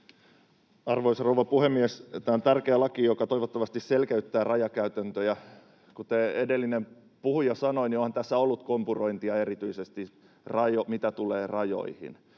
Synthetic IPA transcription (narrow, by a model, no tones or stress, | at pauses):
ɑrʋoisrouwʋɑpuhemːiest̪æont̪ærkeːlɑkijokɑt̪o̞iʋot̪ːɑʋɑst̪isselkeyt̪ːæːrɑjɑkæyt̪ænt̪øjɑ | kut̪eːedelːinem | puhujɑsɑnoiniohɑnt̪æsːæolːut̪kompuroint̪iɑe̞ɾit̪yisest̪i | rɑjomit̪æt̪uleːrɑjo̰ihḭn